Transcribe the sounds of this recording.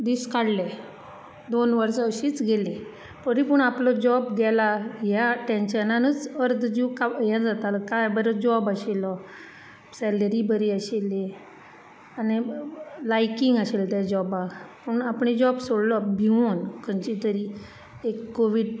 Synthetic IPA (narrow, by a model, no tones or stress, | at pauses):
d̪iskaɽlɛ | d̪onʋəɾsɔəɕiːt͡sɡelẽ | pəɾipəɳaplɔd͡ʑɔbɡɛlaɦjaʈẽnɕənanət͡səɾd̪d͡ʑikajɛ̃d͡zat̪alɔkajbəɾəd͡ʑɔbaɕelɔ | sɛləɾibəɾiəɕele | anilajkĩŋɡaɕelt̪jad͡ʑɔbapəɳapɳid͡ʑɔbsoɽlɔbʱiʋonkʰənt͡ɕit̪əɾi | ekːoʋiɽ